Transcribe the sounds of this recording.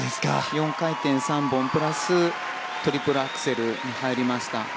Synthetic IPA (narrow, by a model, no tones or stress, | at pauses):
skajõ̞ŋkait̪ẽ̞ɰ̃sãmbõ̞mpɯ̟ɾasɨ | t̪o̞ɾʲipɯ̟ɾɯakɯ̟̥se̞ɾɯ̟ɲ̟ihaiɾʲimaɕi̥t̪a